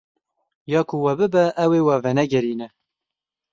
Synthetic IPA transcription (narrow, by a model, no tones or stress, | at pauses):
jɑːkʰuwɛbɨbɛʔːweːwɛvɛnɛɡɛɾiːnɛ